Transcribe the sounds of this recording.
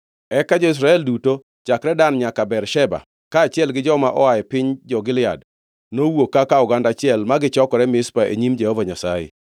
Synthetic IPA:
ɛkad͡ʒɔɪs̬ɾaɛlduto | t͡ʃakɾɛdanɲakabɛrʃɛba̰ | kaːt͡ʃɪɛlɡɪd͡ʒɔmaʔɔajɛpɪɲd͡ʒɔɡɪlɪa̰d | nowokːakaʊɡandat͡ʃɪɛlmaɡɪt͡ʃɔkɔɾɛmɪspaʔḛɲimd͡ʒɛhɔvaɲasajḛ

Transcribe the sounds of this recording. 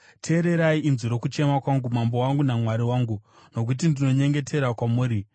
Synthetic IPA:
tʰe̞ːɾe̞ɾaiʔinziɾo̞kut͡ʃe̞makwaŋɡumambo̞waŋɡunamwaɾiwaːŋɡu | no̞k̬ut̬indino̞ɲe̞ŋɡe̞tʰe̞ɾakwamuːɾi

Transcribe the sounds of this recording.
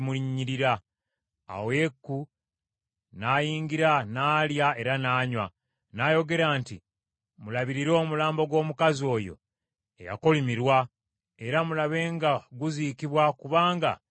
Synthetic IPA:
muiɲɲːiɾiɾa | a̰wekːu | naːjiːŋɡiɾanaːljae̞ɾanaːɲwa̰ | najo̞ɡe̞ɾaːnti | mulaβiɾiɾo̞ːmulaːmbo̞ɡwo̞ːmukazio̞ːjo̞̰ | ḛja̰ko̞limiɾwa | e̞ɾamulaβe̞ːŋɡaɡuzikiβwakuβaːŋɡa̰

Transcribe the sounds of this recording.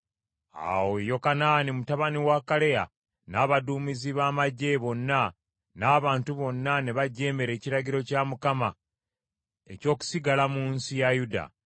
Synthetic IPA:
a̰wojo̞kanaːnimutaβaniwakale̞ja̰ | naːβaduːmiziβaːmaɟːe̞βo̞nːa | naːβaːntuβo̞nːane̞βaɟːe̞ːmeɾe̞ːciɾaɟiɾo̞camukama | e̞̰co̞ːku̥siɡalamuːnsijajuda̰

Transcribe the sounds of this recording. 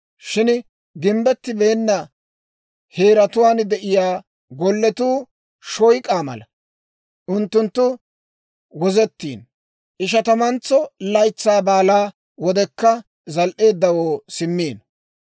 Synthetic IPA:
ʃɪn | ɡɪmbɛt̪ːɪbe̞ːnːɐ | he̞ːɾɐt̪ʊwaːnd̪ɛʔɪjaː | ɡɔlːɛt̪uː | ʃɔjkʼaːmɐ̰lɐ | ʔʊnt̪ːʊnt̪ːʊ | wɔzɛt̪ːḭːn | ʔɪʃ̬ɐt̪ɐmɐnt͡sːɔlɐjt͡sːaːbaːlaː | wɔd̪ɛkːɐ | zɐlʔe̞ːd̪ːɐwoːsɪmːiːn

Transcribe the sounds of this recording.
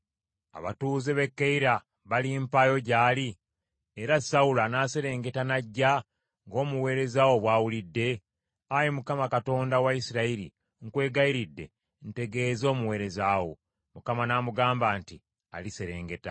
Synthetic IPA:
a̰βa̰tuːzeβe̞kːeiɾa | βalimpajo̞ɟaːli | eɾasaulanase̞ɾe̞ːŋɡe̞tanaɟːa | ŋɡo̞ːmuwe̞ːɾe̞zawo̞βwaːwulidːe̞ | ajemukamakato̞ːndawaisiɾaiɾḭ | ŋkwe̞ːɡaiɾidːe̞̰ | n̩te̞ɡe̞ːzo̞ːmuwe̞ːɾe̞zaːwo̞̰ | mukamanaːmuɡaːmbaːnti | a̰lise̞ɾe̞̰ːŋɡe̞ta̰

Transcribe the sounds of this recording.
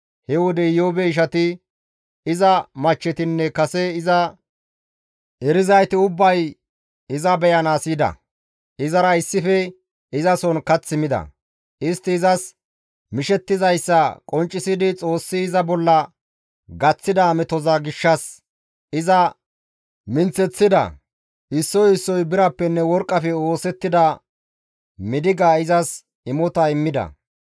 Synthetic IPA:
hɛwɔd̪ɛjoːbɛɪʃ̬ɐt̪ɪ | ɪzɐmɐt͡ʃːɛt̪ɪnːɛkɐsɛɪzɐ | ɛɾɪzɐjt̪ɪʊbːɐj | ɪzɐbɛjɐnaːsiːd̪ɐ̰ | ɪzɐɾɐɪsːɪfɛ | ɪzɐsɔnkɐt͡sːɪmɪd̪ɐ̰ | ɪst̪ːɪːzɐs | mɪʃɛt̪ːɪzɐjsːɐkʼɔnt͡ʃʼːɪsɪd̪ɪt͡sʼo̞ːsːɪːzɐbɔlːɐ | ɡɐt͡sːɪd̪ɐmɛt̪ɔzɐɡɪʃːɐs | ɪzɐ | mɪnt͡sɛt͡sːɪd̪ɐ̰ | ɪsːɔjɪsːɔjbɪɾɐpːɛnːɛwɔɾkʼːɐfɛo̞ːsɛt̪ːɪd̪ɐ | mɪd̪ɪɡaːɪzɐs | ɪmɔt̪ɐɪmːɪd̪ɐ̰

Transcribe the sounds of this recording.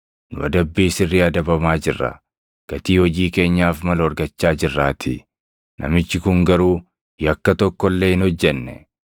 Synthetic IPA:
nʊ̰ɐd̪ɐbːiːsɪrːiɐd̪ɐbɐmaːd͡ʒɪrːɐ̰ | ɡ̥ɐt̪iːhɔd͡ʒiːke̞ːɲːaːfmɐlɔɾɡɐt͡ʃːaːd͡ʒɪrːaːt̪ʰɪ | nʔɐ̰mɪt͡ʃːɪkʊŋɡɐɾuː | jɐkːɐt̪ɔkːɔlːe̞ːɪnhɔd͡ʒːɛnːɛ̰

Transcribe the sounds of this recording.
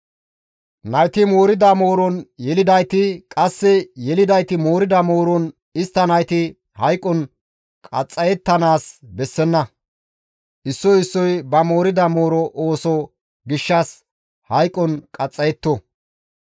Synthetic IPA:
nɐjt̪ɪmo̞ːɾɪd̪ɐmo̞ːɾɔnjɛlɪd̪ɐjt̪ɪkʼɐsːɛjɛlɪd̪ɐjt̪ɪmo̞ːɾɪd̪ɐmo̞ːɾɔn | ɪst̪ːɐnɐjt̪ɪ | hɐjkʼːɔn | kʼɐt͡sʼːɐjɛt̪ːɐnaːsbɛsːɛnːɐ | ʔɪsːɔɪsːɔjbɐmo̞ːɾɪd̪ɐmoːɾɔʔoːsɔ | ɡɪʃːas | hɐjkʼːɔnkʼɐt͡sʼːɐjɛt̪ːɔ

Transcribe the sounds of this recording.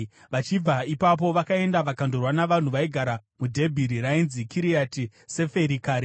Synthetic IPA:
ʋat͡ʃib͡vaipap̬o̞ʋakae̞ndaʋakandorwanaʋan̤uʋaiɡʱaɾamudʱe̞bʱiɾiɾainzikiɾiatise̞fe̞ɾikaːɾi

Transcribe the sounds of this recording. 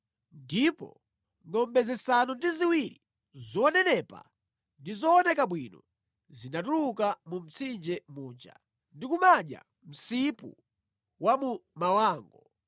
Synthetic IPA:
ndipɔ̰ | ŋɔmbɛzɛsanɔndiziwiɾi | zɔnɛnɛpa̰ | ndizɔːnɛkaɓwinɔ | zinatuɾukamum̩t͡sʰind͡ʒɛmuːnd͡ʒa̰ | ndikumaɗja̰ | m̩sipṵ | wamumawaːŋɡɔ

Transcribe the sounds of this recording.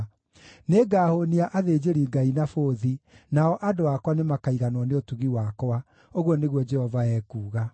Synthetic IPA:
neɡaːhoniaʔaðeːd͡ʒeɾiɡainafoːðinaɔʔadoakwanemakaiɣanwɔneotuɣiwakɔa | oɣwɔneɣwɔd͡ʒɛhɔvaɛːkuːɣa

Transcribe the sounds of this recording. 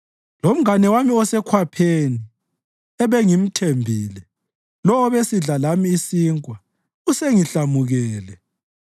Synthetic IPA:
lom̩anɛwamiɔsɛkʰwapʰeni | ɛβeŋim̩tʰembʱiːlɛ | lɔwɔβesiɮalamiːsiːŋkʼwa | useŋiɬamuɣɛːlɛ

